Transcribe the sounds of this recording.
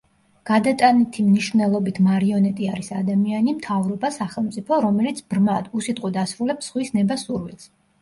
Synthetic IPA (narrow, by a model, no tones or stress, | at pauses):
ɡ̥ad̪at̪ʼanit̪ʰimniʃvnɛlˠɔbit̪ʰmaɾiɔnɛt̪ʼiaɾisad̪amianimt̪ʰavɾɔbasaχɛlˠmt̪sʼipʰɔɾɔmɛlit̪sʰbɾmad̪usit̪ʼqʼɔd̪asɾulɛpsχwisnɛbasuɾvilˠs